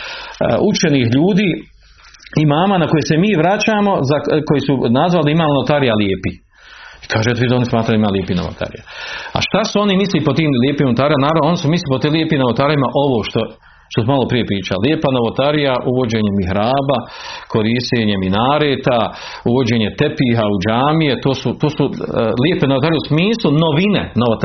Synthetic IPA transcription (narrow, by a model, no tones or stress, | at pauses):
ut͡ʃenihʎuːd̪iː | imaːmanako̞jesemiːʋɾat͡ɕaːmo̞zako̞jesunazʋaliimaːmnot̪aɾijaljeːpi | i̥kʰaːʒet̪ʋizonismaːt̪ɾajd̪imaːljepinoʋo̰t̪ʰa̰ɾḭja̰a̰ʃt̪asuo̞nimislipot̪iːmljepiːmnot̪aːɾimanaːɾanoonisumisliipot̪iːmljepiːmnoʋot̪aːɾjimaʔo̞ʋoːʃt̪o | ʃt̪osumalˠo̞pɾije̞pɾiːt͡ʃaljeːpanoʋot̪aɾijaʔuʋo̞d͡ʑeːɲemiɦɾaːbakʰo̞ɾiʃt̪eːɲeminaːɾeːt̪a | uʋo̞d͡ʑeːɲe̞t̪epiːɦaud͡ʑaːmije̞t̪oːsut̪oːsuliepenoot̪aːɾijeusmiːslˠuno̞ʋinḛnoʋot̪